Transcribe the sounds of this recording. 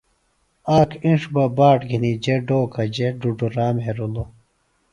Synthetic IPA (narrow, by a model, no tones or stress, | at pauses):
aːkʰĩʂbɐbaːʈɡʱinid͡ʑeɖoːkʰɐd͡ʑeɖuɖuɾaːmɦeɾulo